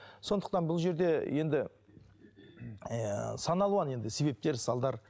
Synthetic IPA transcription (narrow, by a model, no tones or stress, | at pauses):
so̞nd̪ə̥q̚t̪ɑnbʊlˠʒe̞ɾd̪e̞je̞nd̪ɪ | sɑnɑlˠuɑne̞nd̪ɪse̞βe̞p̚t̪e̞ɾsɑlˠd̪ɑɾ